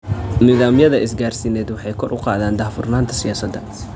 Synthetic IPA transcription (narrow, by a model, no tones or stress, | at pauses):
nɪðaːmjɐðɐʔɪsɡaːrsiːnɛːd̪wɑħɑjkʰɔrʔʊqɑ̰ːðaːnd̪aːhfʊrnaːnt̪ʰɐ̥sɪjaːsɐd̪ːɐ